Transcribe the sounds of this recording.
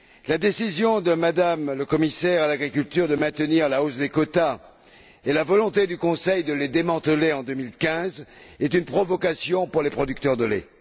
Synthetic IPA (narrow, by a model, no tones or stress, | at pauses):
lad̪esizjɔ̃d̪əmad̪amləkɔmisɛʁalaɡʁikʲylt̪yʁd̪əmɛ̃t̪əniʁlaosd̪ekɔt̪a | elavɔlɔ̃t̪ed̪ykɔ̃sɛjd̪əled̪emɑ̃t̪əleɑ̃d̪ømilkʲɛ̃zɛt̪ynpχɔvɔkasjɔ̃puʁlepχɔd̪ykt̪œʁd̪əlḛ